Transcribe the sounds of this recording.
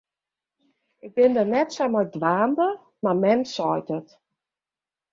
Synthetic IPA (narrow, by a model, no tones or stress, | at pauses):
ɪk̚bɪndənɛtsamadʋaːndə | mamɛnsɔjtət